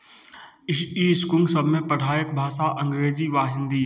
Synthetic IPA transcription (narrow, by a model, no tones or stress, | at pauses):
ɪiːskʊ̃ŋɡsəbʱmẽpəɽ̤ʱaːjəkbʱaːsaʔɐ̃ŋɡɾeːziʋaːɦɪ̃ːnd̪iː